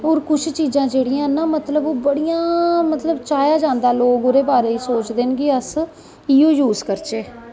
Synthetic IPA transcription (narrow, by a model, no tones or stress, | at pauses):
oːɾkʊt͡ʃʰt͡ʃiːzãːd͡ʒeːɽijãːnãːmət̪ləboːbəɽijãːmət̪ləbt͡ʃaːjaːd͡ʒãːnd̪aːloːɡoɾeːbaːɾeːiːsoːt͡ʃd̪eːnɡeːəs | iːoːjuːzkəɾt͡ʃeː